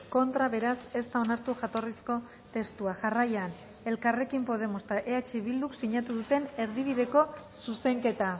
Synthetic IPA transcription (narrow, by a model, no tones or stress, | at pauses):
ko̞nt̪ɾaβe̞ɾase̞st̪ao̞naɾt̪uʝat̪o̞risko̞ | t̪e̞st̪uaʝarajan | e̞lkare̞kimpo̞ðe̞most̪aʔeat͡ʃeβild̪uksiɲat̪uðut̪e̞ne̞ɾðiβ̞iðe̞ko̞suse̞ŋke̞t̪a